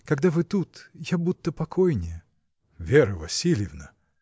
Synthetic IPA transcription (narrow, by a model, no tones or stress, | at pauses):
kɐɡd̪avɨt̪ut̪jabut̪ːəpɐkʰojnʲɪjə | vʲeɾəvɐsʲilʲɪvnə